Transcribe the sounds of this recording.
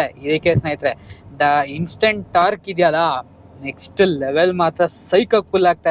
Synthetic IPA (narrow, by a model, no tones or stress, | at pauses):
eid̪ikesneːjit̪ɾed̪ɐinsʈẽɳʈʈaːɾkid̪jɐlɐ | neksʈleʋelmaːt̪ɾɐsɐjkɐk̚fulaːɡ̚t̪a